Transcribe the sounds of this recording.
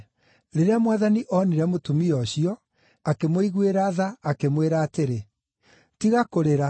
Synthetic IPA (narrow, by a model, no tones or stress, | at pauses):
ɾeɾeamwaðaniʔɔniɾɛmotumiɔɕiɔ | akemoiɣweɾaːðaːkemweɾaːteɾe | tiɣakoɾeɾa